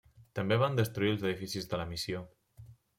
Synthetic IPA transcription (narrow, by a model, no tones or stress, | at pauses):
t̪əmbeβ̞and̪əst̪ɾuiəlˠzəðifisizðələmisio